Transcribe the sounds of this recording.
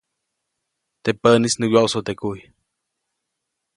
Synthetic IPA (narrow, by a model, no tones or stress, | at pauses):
t̪epənisnɨwjoʔwsot̪ekuj